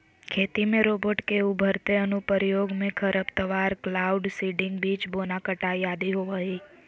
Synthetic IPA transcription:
kʰet̪imẽɾobəʈkeubʱəɾt̪eənupəɾjoɡmẽkʰəɾəpt̪əʋaɾklauɖsiɖɪŋɡbit͡ʃbonakəʈajad̪iɦoʋəɦi

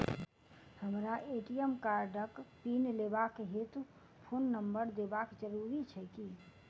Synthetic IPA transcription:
həmɾaʔeːʈijəmkaːɾɖəkpiːnleːbakɦet̪ | pʰoːnːəmbəɾd̪eːbaːkd͡ʒəɾuːɾit͡ʃʰɛki

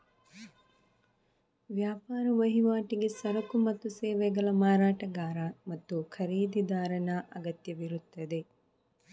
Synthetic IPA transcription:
ʋjaːpaːɾɐʋɐɦiʋaːʈiɡesɐɾɐkumɐt̪ːuseːʋeɡɐlɐmaːɾaːʈɐɡaːɾamɐt̪ːukʰɐɾiːd̪id̪aːɾɐnaʔɐɡɐt̪jɐʋiɾut̪ːɐd̪e

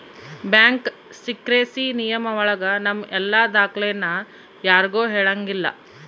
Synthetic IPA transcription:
bjaːŋk | sikɾeːsinijɐmɐʋɔɭɐɡɐnɐmːʔɛlːad̪aːkɭejɐnːɐ | jaːɾɡoːɦeːɭɐŋɡilːɐ̰

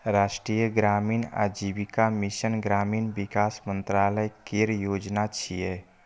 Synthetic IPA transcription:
ɾaːʃʈɾijəɡɾaːmiːna̰d͡ʒibikamiʃənɡɾaːmiːnbɪkaːsmə̃nt̪ɾaːləjkeɾjoːd͡ʒnat͡ʃʰiɛ

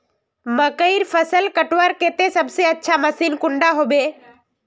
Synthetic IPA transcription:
məkəiɾfʰəsəlkəʈʋaɾkeːt̪esəbseətːʃʰaməsiːnkʊ̃ɳɖaɦoːbeː

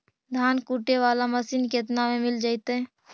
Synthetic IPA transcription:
d̪ʱaːnkuːʈeʋaːlamɐsiːnkeːt̪̬namẽmɪld͡ʒaːit̪eɦɛ̃ː

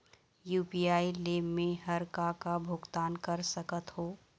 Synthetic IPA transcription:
juːpiaːileːmːẽɦəɾkakabʱʊɡt̪aːnkəɾsəkət̪ɦoː

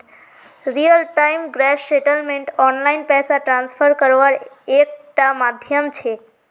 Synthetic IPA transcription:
ɾijəlʈaimɡɾɛʃsɛʈəlmeɳʈɔnlainpɛsaʈɾãnsfʰəɾkəɾʋaɭ | ek̚ʈamad̪ʱjəmt͡ʃʰe

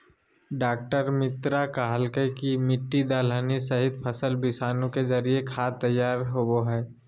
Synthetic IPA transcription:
ɖaːk̚ʈəɾmɪt̪ɾakaɦəlkəjkimɪʈːid̪aːləːnisɐɦɪt̪pʰəsəlbɪsaːnũkezɐɾiekʰaːt̪ɐjːaːɾɦoɡoɦɛː

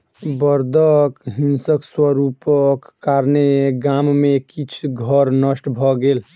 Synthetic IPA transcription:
bəɾd̪ʱəkɦinsəkswəɾupəkːaɾneɡammekit͡ʃʰɡʱəɾnəsʈbʱɔɡeːl

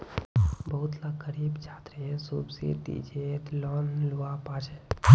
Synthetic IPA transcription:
bəɦʊt̪lakəɾiːbd͡ʒaːt̪ɾesubsḭd̪ḭd͡ʒet̪lɔːnluapaːt͡ʃe

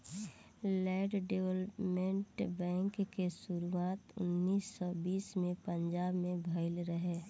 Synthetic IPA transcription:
lɛːɖɖewləpmẽɳʈbɛ̃ːŋkkesʊɾuaːt̪ʊ̰nːiːsːɔːbiːsmẽpə̃ɲd͡ʒaːbmẽbʱɐɪlɾəɦeː

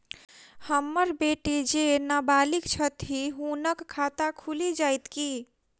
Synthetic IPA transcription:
həmːəɾbeʈid͡ʒenabalikt͡ʃʰət̪iɦunəkkʰːat̪akʰulid͡ʒajt̪ki

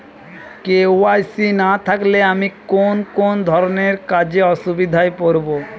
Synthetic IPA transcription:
keoajsinat̪ʰakleamikonkond̪ʱɔɾoneɾkad͡ʑeɔʃubid̪ʱaepoɾbo

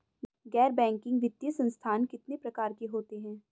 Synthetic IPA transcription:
ɡɛːɾbɛ̃ːŋkɪ̃ŋɡʋɪd̪jəsɐ̃nst̪ʰaːnkɪt̪nepɾɐkaːɾkiɦoːt̪iɦɛ̃ː

